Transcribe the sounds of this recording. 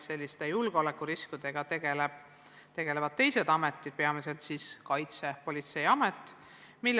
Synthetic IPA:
se̞lʲːist̪e̞julɡ̥eo̞lekːˑuɾiskud̪̥e̞ɡ̥ɑt̪eɡ̥eleb̥ | t̪e̞ɡ̥e̞le̞vɑd̪̥̚t̪e̞jse̞d̪ɑme̞t̪ːˑid̪̥̚pe̞ɑmise̞lt̪siːskɑjt̪se̞po̞lʲit̪se̞jɑme̞t̪ːˑ | milː

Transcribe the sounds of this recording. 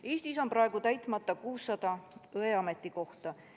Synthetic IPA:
e̞ːst̪iso̞mpɾɑe̞ɡ̥ut̪æjt̪ˑmɑt̪ːˑɑkuːsːɑd̪ɑɤe̞ɑmet̪ːˑiko̞ht̪ɑ

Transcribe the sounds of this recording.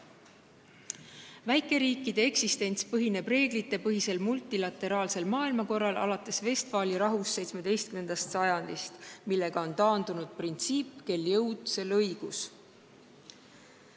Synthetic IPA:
væjkˑe̞ɾiːkːˑid̪̥e̞e̞ksist̪e̞nʲt̪spɤɦine̞b̥re̞ːɡlit̪ːe̞pɤɦise̞lmult̪ːˑilɑt̪ːe̞ɾɑːlse̞lmɑːilmɑko̞rːɑlʔɑ̰lɑt̪ːˑe̞sve̞st̪vɑːliɾɑɦusːe̞jt̪sme̞d̪̥e̞jst̪̚kyme̞nd̪̥ɑst̪sɑjɑnd̪̥ist̪milːe̞ɡ̥ɑo̞nt̪ɑːnd̪unud̪̥̚print̪siːpːke̞ljɤwd̪̥se̞lɤjɡ̥us

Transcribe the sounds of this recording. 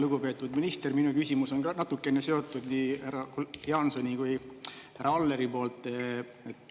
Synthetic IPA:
luɡupe̞ːt̪ːˑud̪minist̪e̞rminukysimuso̞nɡɑnɑt̪ːˑukːe̞nese̞o̞t̪ːˑud̪̥niːhæɾɑkujɑnsonʲikujhæɾɑɑlːe̞ɾipo̞ːlt̪ˑː | et̪ː

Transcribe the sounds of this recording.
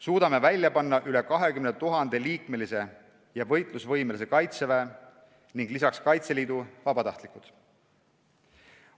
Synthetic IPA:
suːd̪̥ɑme̞vælʲːjɑpɑnːɑʔylekɑɦe̞kymnet̪uɦɑnd̪̥eliːkme̞lise̞ | jɑvɤjt̪ˑlusvɤjmelis̬e̞kɑjt̪sevæː | niŋɡ̥lisɑkskɑjt̪se̞liːd̪̥uvɑbɑt̪ɑht̪likˑut̪

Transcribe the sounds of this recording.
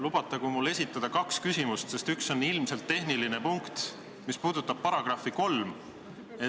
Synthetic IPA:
lub̥ɑt̪ːˑɑkumulːe̞sʲit̪ːˑɑd̪̥ɑkɑkskysʲimust̪se̞st̪ykso̞nilmse̞lt̪ːe̞hniline̞puŋkt̪ | mispuːd̪̥ut̪ːˑɑb̥̚pːɑɾɑɡ̥rɑfiko̞lm | e

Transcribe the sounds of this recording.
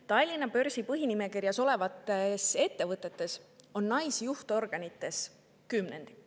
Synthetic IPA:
t̪ɑjlʲːinɑpø̞ɾsipɤɦinime̞kirjɑso̞le̞vɑt̪ːˑese̞t̪ːe̞vɤt̪ːˑe̞t̪ːˑe̞so̞nːɑjsjuht̪o̞rɡ̥ɑnit̪ːˑe̞s | kymnend̪̥i

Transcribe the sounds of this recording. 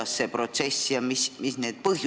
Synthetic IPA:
ɑsːeprot̪sesːijɑmismisneːd̪̚pɤhj

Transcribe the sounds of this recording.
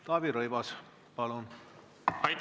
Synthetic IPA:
t̪ɑːbiɾɤjvɑs | pɑlun | ɑjt̪

